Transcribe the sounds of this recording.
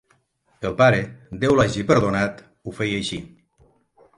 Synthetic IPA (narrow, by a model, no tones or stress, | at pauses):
elˠpaɾed̪ewlaʒipeɾðonat̪ | ufɛjajʃi